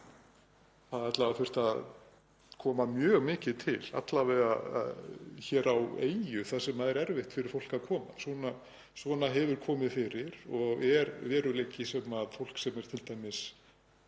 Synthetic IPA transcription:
θaðat̪lavafʏr̥t̪að | kʰɔːmamjœːɣmɪːcɪðt̪ʰɪla̰t̪lavɛðaa̰çɛːɾawḛːjjʏθaðsɛmaðɛɾɛɾvɪht̪fɪɾɪɾ̥fowl̥kaðkʰɔːma̰svɔna | svɔnaɦɛvʏɾ̥kʰɔːmɪðfɪɾɪɾɔɣɛɾvɛːɾʏlejcːɪsɛmaðfowl̥ksɛmɛɾ̥t̪ʰɪlt̪aːjmɪs

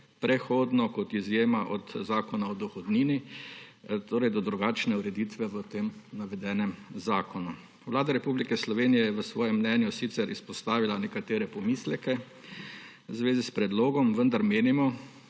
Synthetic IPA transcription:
pɾɛxoːd̪nɔkɔt̪izjeːmaʔɔt̪zaːkɔnaɔd̪ɔxɔd̪niːni | t̪ʰoːɾɛjd̪ɔd̪ɾuɡaːt͡ʃnɛuɾɛd̪it̪ʋɛʋət̪eːmnaʋɛd̪ɛːnɛmzaːkɔnu | ʋlaːd̪aɾɛpublikɛslɔʋeːnijɛjɛʋəsʋɔːjɛmːnɛnjusit̪sɛɾʔispɔst̪aːʋilanɛkat̪eːɾɛpɔmiːslɛkɛ | zʋeːzispɾɛd̪loːɡɔmʋənd̪aɾmeːnimɔ

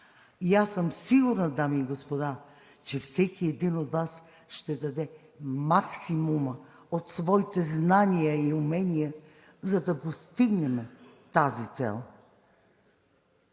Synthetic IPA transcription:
iasəmsiɡuɾnəd̪amiːɡospod̪a | t͡ʃɛfsɛkiɛd̪inot̪vas | ʃt̪ɛd̪ɐd̪ɛ | maksimumə | ot̪svɔit̪ɛznanʲijəiʊmɛnʲijə | zɐd̪ɐpost̪iɡnɛmɛt̪azit̪sɛ̰lˠ

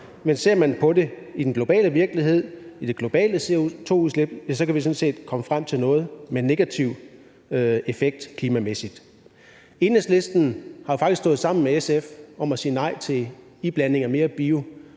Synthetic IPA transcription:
mense̝ɐ̰mænpʰɒ̽de̝ | id̥enɡ̥lo̝b̥ɛ̰ːləʋiɐɡ̥liɦe̝ð̞̰ˠid̥e̝ɡ̥lo̝b̥ɛ̰ːləseot͡sʰo̝̰ːuðˠsleb̥jæsɒ̽kʰæʋis̬ɔ̽nse̝̰ːd̥kʰɒ̽məfʁam̰t͡sʰe̝lnɔ̽ːð̞̩ˠmenːe̝ɡ̥æt͡sʰiʊ̰ | e̝feɡ̥̚d̥kʰliːmæmesid̥ | e̝ːnəsle̝sd̥n̩hɑ̈jifɑ̈ɡ̥isɡ̥d̥ɔ̽ːð̩ˠsɑ̈m̰n̩meesefɒ̽mæsiːənɑ̈ɪ̰t͡sʰe̝ | ib̥læne̝ŋɐme̝ːɐb̥io̝

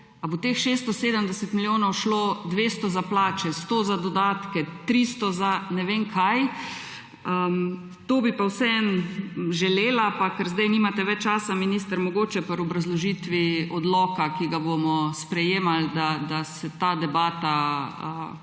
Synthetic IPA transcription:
abot̪exʃeːst̪ɔseːd̪əmd̪ɛsɛt̪miljoːnowʃloːd̪ʋest̪ɔzaplaːt͡ʃɛst̪oːzad̪ɔd̪aːt̪kɛt̪ɾist̪ɔzanɛʋeːŋkʰaj | ə | t̪oːbipawsɛɛnʒɛleːlapakəɾzd̪ajnimat̪ɛʋɛt͡ʃːaːsaminist̪əɾmɔɡoːt͡ʃɛpəɾɔbɾazlɔʒiːt̪ʋiɔd̪lɔːkakiɡabomɔspɾɛjeːmald̪ad̪asɛt̪aːd̪ɛbaːt̪aə

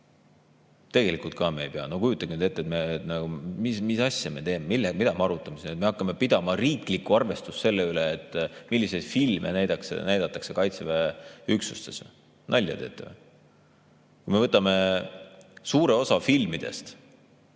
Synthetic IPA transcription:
t̪e̞ɡ̥e̞likult̪̚kɑmejpeɑ̰nokujut̪ːˑɑɡinyd̪e̞t̪ːet̪meːt̪nɑumismisɑsʲjɑme̞t̪e̞ːmemilːemid̪̥ɑmeɑɾut̪ːˑɑmesinet̪me̞ɑkːˑɑme̞pid̪ɑmɑriːklikːuɑrve̞st̪ust̪se̞lːeyleːt̪ːˑmilːised̪̥filmḛnæjd̪ɑksḛnæjd̪̥ɑt̪ːˑɑkse̞kɑjt̪seveyksust̪esḛ | nɑlʲjɑ̰d̪ḛt̪ːˑeve | kujme̞vɤt̪ːˑɑme̞ | suːɾe̞o̞sɑfilmid̪̥e̞̰st̪

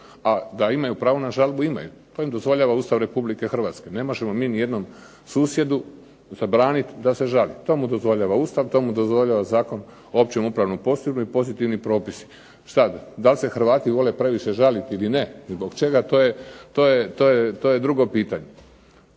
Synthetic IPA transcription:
ad̪aimajupɾaːʋonaʒalbuima̰jṵt̪oːimd̪o̞zʋo̞ʎaːʋauːst̪aʋɾe̞publike̞xr̩ʋaːt̪ske̞ne̞mo̞ʒemo̞miːnije̞d̪no̞m | suːsje̞d̪u | zabɾaːnit̪d̪ase̞ʒalit̪o̞ːmud̪o̞zʋo̞ʎaːʋaust̪aʋt̪o̞mud̪o̞zʋo̞ʎaːʋazaːko̞n | oopt͡ɕemupɾaʋnupo̞z̥t̪inuipo̞zit̪iʋnipɾo̞ːpisi̥ | sad̪d̪alse̞xɾʋaːt̪iʋo̞le̞pɾe̞ʋiʃe̞ʒalit̪iline̞zbo̞ɡt͡ʃe̞ɡat̪o̞ːjet̪oːjet̪o̞ːjet̪oje̞d̪ɾuɡo̞piːt̪aɲe̞

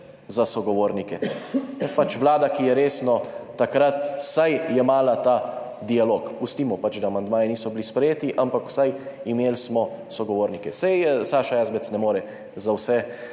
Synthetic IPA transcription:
zasɔɡɔʋoːɾnikɛt̪apat͡ʃʋlaːd̪akijɛɾeːsnɔt̪ːakɾat̪sajjɛmaːlat̪a | d̪ialoːkpust̪iːmɔpat͡ʃd̪aːmand̪maːjɛniːsɔbilispɾɛjeːt̪iʔampakw̥sajimeːlsmɔ | sɔɡɔʋoːɾnikɛsɛjsaːʃajaːzbɛt̪snɛmoːɾɛ | zawsɛ

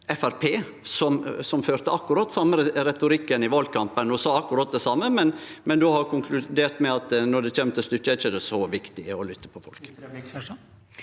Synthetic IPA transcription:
ɛfæɾpʰeː | sɔmsɔmføːɾt̪əɑkːʉɾɑt̪ːsɑmːəɾɾɛt̪ʊɾɪkːənɪʋɑlkʰɑmpənɔsɑːɑkːʊɾɑt̪̚d̪ɛsɑmːəmɛnmɛnd̪ʉhɑkʰʊŋkʰlʉd̪eːɾt̪mɛɑt̪nɔɖ̪ɛc͡çeːmt̪ʰɪst̪ʏkːəɛt͡ʃːəd̪ɛsɔʋɪkt̪ɪɔlʏt̪ːə̥pʰɔfɔ̰lk

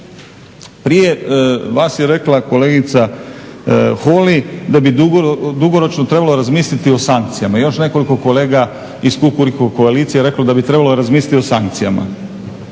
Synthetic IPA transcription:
pɾije̞ʋaːsjeɾe̞klˠako̞le̞ːɡit̪sa | xolid̪abid̪ud̪uɡoɾo̞t͡ʃnot̪ɾe̞balo̞ɾazmiːslit̪io̞saŋk̚t̪sijamajo̞ʃne̞ko̞liko̞ko̞le̞ːɡa | iskukuɾikoko̞aliːt̪sijeɾe̞klad̪abit̪ɾe̞baloɾazmiːslʲit̪io̞saŋk̚t̪sijama̰

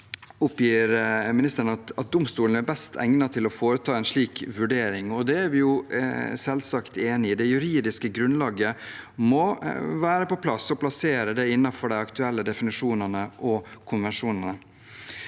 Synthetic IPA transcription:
ʊpjiːɾmɪnɪst̪əɾnɑt̪ɑt̪̚d̪ʊmst̪uːln̩æɾbɛst̪ʰæ̰ŋnɑt̪ʰɪlɔfoːɾət̪ʰɑːɛnʂɭiːkʋʉɖeːɾɪŋɔd̪ɛæɾʋɪjʊsɛlsɑkt̪eːnɪɪd̪ɛjʉɾiːd̪ɪskəɡɾʉnlɑːɡəmɔʋæːɾəpɔpʰlɑsɔpʰlɑseːɾəd̪ɛɪnːɑfɔɖæɪɑkt̪ʉɛlːəd̪ɛfɪnɪʂuːnɑnəʔɔkʰʊnʋɛnʂuːnɑnə

